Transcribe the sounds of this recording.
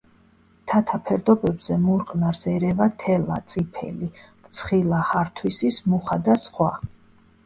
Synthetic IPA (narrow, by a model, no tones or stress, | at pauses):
t̪ʰat̪ʰapʰɛɾd̪ɔbɛbzɛmuɾqʼnaɾsɛɾɛvat̪ʰɛla̰t̪sʼipʰɛ̰likt̪sʰχilˠahaɾt̪ʰwisismuχad̪asχwa